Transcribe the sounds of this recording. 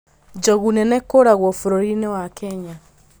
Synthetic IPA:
d͡ʒɔɣunɛnɛkoɾaɣwɔfoɾoɾinewakʰɛɲa

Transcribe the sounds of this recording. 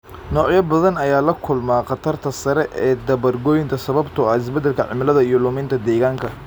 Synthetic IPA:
nɔːʕjɐbɐðɐnɐjaːlɐkʰʊlmaːqɑt̪ʰɐrt̪ʰɐsɐɾɛʔɛːd̪ɐβɐrɡɔːjɪnt̪ʰɐsɐβɐbt̪ʰʊɐɪs̬bɛd̪ːɛlkʰɐʕɪ̰mɪlɐðɐijɔlʊmɪnt̪ʰɐd̪ɛːɣaːŋkʰɐ

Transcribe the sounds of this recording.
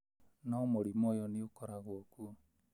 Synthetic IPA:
namoɾimɔjɔniokɔɾaɣooku

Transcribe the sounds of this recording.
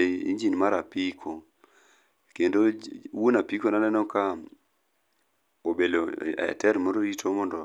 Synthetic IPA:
ḭɲd͡ʒinmaɾapikʰo | kendowonapikonanɛnɔka | obelo̰ɛ̰tɛɾmoɾoɾitʰomɔndɔ

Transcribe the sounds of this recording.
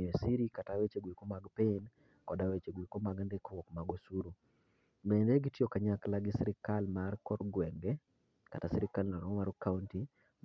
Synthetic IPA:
esiɾikatawet͡ʃeɡwikomaɡpɪn | kɔdawet͡ʃeɡwikomaɡandekowɔkmaɡosuɾu | bendeɡitjokaɲaklaɡɪsiɾɪkalmarkɔrɡwɛŋɡɛ | ka̰tasiɾɪkalnanɔɔmaɾkaunti

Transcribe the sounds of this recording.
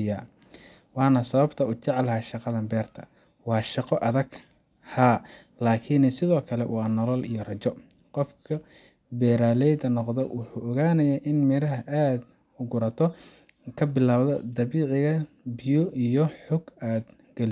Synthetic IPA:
jaː | wɑːnɐsɐβɐbt̪ʰɐʊt͡ʃɛʕlɦɐʃɑqɑðɐmbɛːrt̪ʰɐ̰ | wɑːʃɑqɔʔɐðɐɡ | haː | laːkʰɪnsɪðɔːkʰɐlɛwɑːnɔlɔlḭjɔrɐt͡ʃɔ | qɔfkʰɐ | bɛːɾaːlɛjd̪ɐnɔqd̪ɛwʔʊħuːʔɔɣaːnɐjaːʔɪnmɪɾɐɦɐʔaːd̪ | ʊɡʊɾɐt̪ʰɔ | kʰɐbɪlaːwðɔd̪ɐβiːʕɪɣɐ | bɪjʊʔijɔħʊɡaːd̪ | ɡ̥ɐlɪ

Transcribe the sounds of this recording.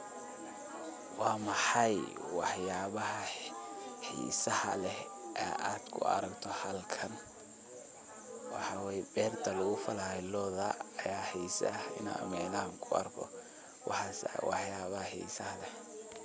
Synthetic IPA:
wɑːmɑħɑjwɑħjaːβɐɦɐ | hḭːsɐhɐlɛhʔɛʔaːd̪̥kʰʊ̰ɐ̰ɾɐkt̪ʰɔhɐlkʰɐn | wɑħɑwɛːjɛbɛːrt̪ʰɐlʊɣʊfɐlɐɛlɔːðɐːjaːhijsɪ̰na̰ːmɛːlaːŋkʰʊɐ̰rkʰɔ̰ | wɑ̰ħɑswɑħjaːβɐhɐhḭːsɐhɐlɛh

